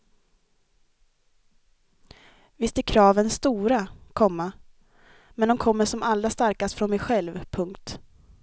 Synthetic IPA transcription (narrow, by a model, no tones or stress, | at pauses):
vɪst̪ɛɾkʰɾɑːvənst̪uːɾakʰɔmːa | mɛnd̪ɔmkʰɔmːəʂɔmalːɾast̪aɾkast̪fɾɔnmɛjɧɛlvpʰɵŋkt̪